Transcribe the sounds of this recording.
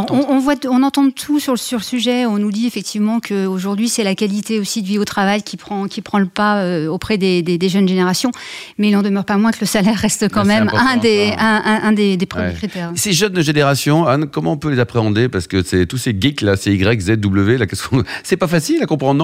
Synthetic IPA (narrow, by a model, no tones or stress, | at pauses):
ɔɔ̃ːvwaɔ̃nɑ̃t̪ɑ̃t̪ʰusyʁləsyʁləsyʒɛɔ̃nud̪iefɛk̚t̪ʰivmɑ̃kʰəoʒuʁd̪ɥisɛlakʲalit̪eosid̪iot̪χavajkʲipχɑ̃kʲipχɑ̃ləpaøopχɛd̪ed̪ed̪eʒənʒeneʁasjɔ̃ | mɛilɑ̃d̪əmœʁpamwɛ̃kələsalɛʁːɛst̪kɑ̃mɛmɛ̃d̪eɛ̃ʔɛ̃ʔɛ̃d̪ed̪epχəmjekχit̪ɛʁseʒənʒeneʁasjɔ̃ankɔmɑ̃ɔ̃pølezapχeɑ̃d̪epaʁsə̥kəsɛt̪useɡiklasɛiɡʁɛkzɛd̪̚ːubləvelakɛskɔ̃sɛpafasilakɔ̃pχɑ̃d̪̃